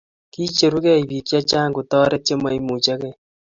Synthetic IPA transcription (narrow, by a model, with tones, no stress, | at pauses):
kiː˦t͡ʃe˨ɾu˦kɛ˦i˨βi˨kja˦t͡ʃaː˦ŋɡu˨tɔː˦ɾe˦t͡ʃe˦ma˨i˦mu˨t͡ʃa˦kɛ˨